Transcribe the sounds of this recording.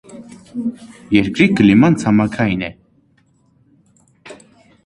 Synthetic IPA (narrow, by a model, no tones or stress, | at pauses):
jɛɾkɾiɡəlimant͡sʰamakʰainɛ